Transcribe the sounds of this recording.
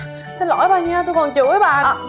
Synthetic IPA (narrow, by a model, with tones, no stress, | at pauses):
sɛ̰˧˥lɔ̰˧˩˦jɓaː˨˩ɲaː˧t̪̬o˧jkɔ˨˩nt͡ɕɨ̰˧˨˦ə˨˦ɓa̰ː˧˨